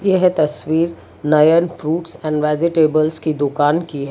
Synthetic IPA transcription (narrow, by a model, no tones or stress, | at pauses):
jeɦt̪ɐsʋiːɾ | najənfɾuːʈsɛ̃ːɳɖʋɛːd͡ʒɪʈeːbəlskid̪ʊkaːnkiɦɛ